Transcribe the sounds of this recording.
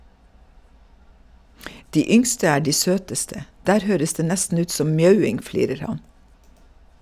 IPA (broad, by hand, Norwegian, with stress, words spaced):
ˈdiː ˈʏŋstə ˈæː ˈɖiː ˈsøːtəstə ˈdæːɾ ˈhøːɾəs ˈdeː ˈnɛstn̩ ˈʉːt ˈsɔm ˈmjœʉɪŋ ˈfliːɾəɾ ˈhɑn